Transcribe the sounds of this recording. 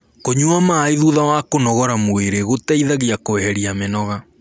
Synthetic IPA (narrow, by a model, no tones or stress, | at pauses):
koɲuamaiðuðawakonɔɣɔɾamoeɾeɣotaiðaɣiakowɛɾiamenɔɣa